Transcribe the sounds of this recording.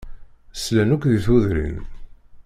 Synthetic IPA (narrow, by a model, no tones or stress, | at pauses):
slænukʷðiθuðɾḭn